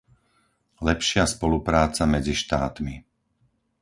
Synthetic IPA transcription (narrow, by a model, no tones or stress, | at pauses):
lɛpʃɪaspɔlupɾaːt͡samɛd͡ziʃt̪aːt̪mi